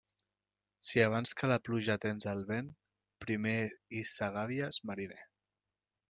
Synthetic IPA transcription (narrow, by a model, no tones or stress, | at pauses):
siaβ̞anskəlapluʒat̪enzəlˠβen | pɾimeisaɣaβiazmaɾine